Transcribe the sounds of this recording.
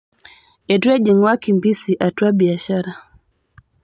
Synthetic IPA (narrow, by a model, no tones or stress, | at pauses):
ɛtuɛʄɛŋwakimbisiʔatuaɓiaʃaɾa